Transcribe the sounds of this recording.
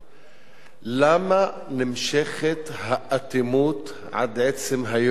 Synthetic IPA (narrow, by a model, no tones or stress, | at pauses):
lama | nɪmʃeχet̪haʔat̪imuːt̪ | ʕa̰d̪ʕet͡semɦaj